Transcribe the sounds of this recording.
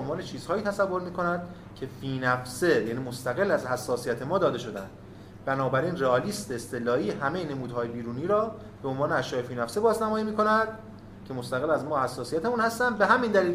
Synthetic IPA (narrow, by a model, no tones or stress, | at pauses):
onvɒːne̞t͡ʃʰiːz̥hɒːiːt̪ʰæsævːo̞ɾmiːkʰo̞nænd̪ | cʰe̞fiːnæfse̞jæniːmo̞st̪æɣe̞lːæzhæsːɒːsijæt̪ʰe̞mɒːd̪ɒːd̪e̞ʃo̞d̪ænd̪̥ | bænɒːbæɾiːnreɒːliːst̪eːst̪elɒːhiːɦæmejene̞muːd̪hɒːjebiːɾuːniːɾɒː | b̥eonvɒːneæʃjɒːefiːnæfsebɒːznæmɒːjiːmiːkʰo̞nænd̪̥ | cʰe̞mo̞st̪æɣelːæzmɒːhæsːɒːsijæt̪ʰemunhæst̪ænd̪̚be̞ɦæmind̪æliːl